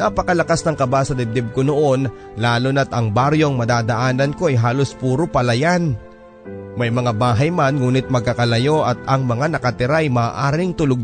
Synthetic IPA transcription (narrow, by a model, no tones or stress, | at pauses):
napɐkɐlɐkasnɐŋkɐbasɐd̪ɛb̚d̪ɛb̚konoʔo̞n | laːlonɐt̪ɐŋbaɾjo̞ŋmɐd̪aːd̪ɐʔaːnɐnko̞ɐjɦaːlo̞spuːɾopɐlɐjan | mɐjmɐŋabaːɦɐjmanŋuːnɪt̪̚mɐɡ̚kːɐkɐlɐjo̞ʔɐt̪̚ɐŋmɐŋanɐkɐt̪ɪɾaɐjmaːʔaːɾɪŋt̪ʊloɡ